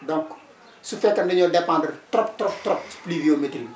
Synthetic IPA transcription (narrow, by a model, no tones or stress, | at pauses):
dɔ̃ŋk | sufɛkːɐndɐɲɔdepãndərtɾɔp̚tɾɔp̚tɾɔp̚splivioːmetil